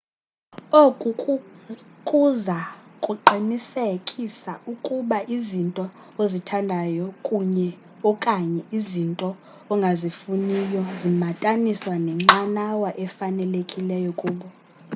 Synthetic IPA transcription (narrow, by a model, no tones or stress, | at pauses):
okʼu | kʼuzakʼuǃʱinisekʼisaʔukʼuɓaʔizintʼɔ | ozitʰandʱajɔkʼuɲɛ | ɔkʼaɲɛʔizintʼɔ | ɔŋɡʱazifunijɔzimatʼaniswanɛŋ͡ǁanawaʔɛfanɛlekʼilɛjɔkʼuːɓɔ